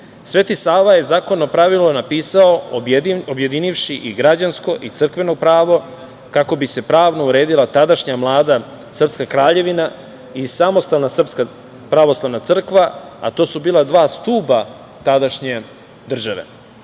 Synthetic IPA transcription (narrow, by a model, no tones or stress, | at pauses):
sʋe̞t̪isaːʋaje̞zaːko̞no̞pɾaʋilnonapiːsao̞ | obje̞d̪iniʋʃiʔiɡɾad͡ʑansko̞ʔit̪sr̩kʋe̞no̞pɾaːʋo̞ | kako̞bise̞pɾaːʋno̞uɾe̞ːd̪ilˠat̪ad̪aʃɲamlˠaːd̪a | sr̩pskakɾaːʎe̞ʋina | isamo̞st̪alnasr̩pska | pɾaʋo̞slˠaʋnat̪sr̩kʋaa̰t̪o̞ːsubiːlad̪ʋaːst̪uːba | t̪ad̪aʃɲe̞ | d̪r̩ʒaʋe̞̰